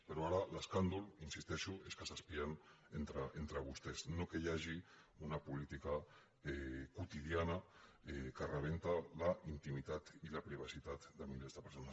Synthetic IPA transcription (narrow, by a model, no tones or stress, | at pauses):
peɾoaɾaleskand̪ulinsist̪ɛʃueskəsaspian | ent̪ɾaent̪ɾaβust̪eznokejaʒiunapulit̪ika | ekut̪ið̞janaekərəβ̞ent̪alaint̪imit̪at̪ilapɾiβ̞asit̪at̪d̪əmilezðəpəɾsona